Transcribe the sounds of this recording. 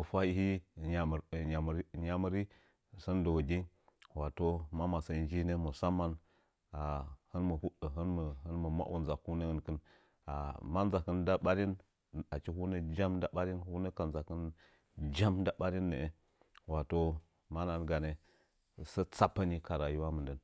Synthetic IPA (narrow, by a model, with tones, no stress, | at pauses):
mə˨fa˦ji˦hi˦˨ɲa˦˨ɲa˨m˦ɾɲa˦mə˦ɾi˦˨ | sə˦n˦do˨wɡʲi˦ | wa˨to˦ma˦ma˨sə˨nd͡ʒi˦ne˦mə˨sa˦mːa˦n | a˨hə˦nmə˨hu˦ɗə˨ɦɨ˦nmə˨hə˦nmə˨ma̰˦ʔwṵ˨nza˨ku˦ne˦ə˨nkə˦n | a˨ma˦nza˨kə˦nda˦ɓa˦ɾi˦n | a˨t͡ʃi˦ɦu˦ne˦d͡ʒa˦mda˦ɓa˦ɾi˦nhu˦ne˦ka˨nza˨kə˦n | d͡ʒa˦mda˦ɓa˦ɾi˦nːe˨e˨ | wa˨to˦ | ma˦na˨n˦ɡa˨ne˨ | sə˦t͡sa˦pːə˦ni˦ka˨ɾa˨ju˦wa˦mə˨ndə˦n